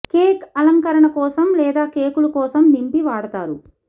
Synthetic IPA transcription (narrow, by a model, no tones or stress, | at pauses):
keːkɐlɐŋkɐɾɐɳɐkɔːsɐmlɛːd̪aːkeːkulɐkɔːsɐmnimpiʋaːɽɐt̪aːɾu